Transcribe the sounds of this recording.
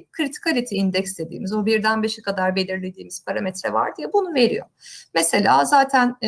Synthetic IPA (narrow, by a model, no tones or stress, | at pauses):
kʰɾit̪ʰi̥kʰalʲit̪ʰiːnd̪ɛcsd̪e̞d̪ḭːmizobiɾd̪ænbeʃɛkad̪aɾbe̞lʲiɾlʲe̞d̪iːmiz̥pʰaɾamɛt̪ɾɛ̰va̰ɾd̪ijɛbunuve̞ɾḭjo̞̰mese̞lʲa̰ːzaːt̪ʰæn